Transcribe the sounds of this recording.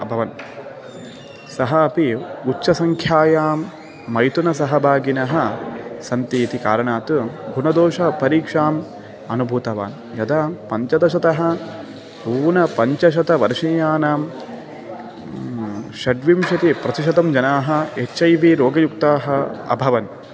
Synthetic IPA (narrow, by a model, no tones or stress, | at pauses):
ɐbʱɐʋɐn | sɐɦɐːpiut͡ʃːʃɐsɐŋkʰjaːjaːmː | ɐjt̪unɐsɐɦɐbʱaːɡinɐɦɐsɐnt̪iːt̪ika̰ːɾɐɳaːt̪ubʱunɐd̪oːʃɐpɐɾiːkʂaːm | ɐnubʱuːt̪ɐʋa̰ːn | jɐd̪ɐpɐɲt͡ʃɐd̪ɐʃ̬ɐt̪ɐɦɐ̆ | buːʋnɐpɐɲt͡ʃɐʃ̬ɐt̪ɐʋɐɾʂijaːnaːm | ʃɐɖʋimʃɐt̪ipɾɐt̪iʃɐd̪ɐmd͡ʒɐnaːɦɐ̆et͡ʃːɐjʋiɾoːɡɐjuk̚t̪aːɦɐɐ̰bʱɐʋɐn